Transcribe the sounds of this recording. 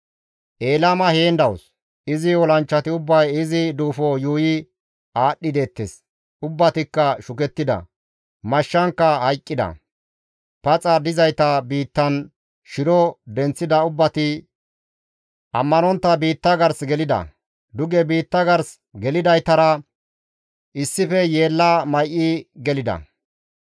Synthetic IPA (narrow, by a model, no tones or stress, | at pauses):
ʔe̞ːlɐmɐheːnd̪ɐwʊs | ɪzɪɔlɐnt͡ʃːɐt̪ɪʊbːɐjɪzɪd̪uːfɔjuːjɪ | aːɗːɪd̪e̞ːt̪ːes | ʊbːɐt̪ɪkːɐʃʊkɛt̪ːɪd̪ɐ̰ | mɐʃːɐŋkːɐhɐjkʼːɪd̪ɐ̰ | pɐt͡sʼɐd̪ɪzɐjt̪ɐbiːt̪ːɐn | ʃɪɾɔd̪ɛnt͡sːɪd̪ɐʊbːɐt̪ɪ | ʔɐmːɐnɔnt̪ːɐbiːt̪ːɐɡɐɾsɡɛlɪd̪ɐ̰ | d̪ʊɡɛbiːt̪ːɐɡɐɾs | ɡɛlɪd̪ɐjt̪ɐɾɐ | ʔɪsːɪfɛje̞ːlːaːmɐjʔɪɡɛlɪd̪ɐ̰